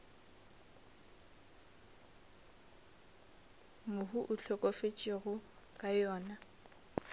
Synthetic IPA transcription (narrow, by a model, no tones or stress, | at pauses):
mʊɦuʔʊt͡ɬʰɔkʼɔfet͡ʃʼɪɣʊ | kʼajɔːna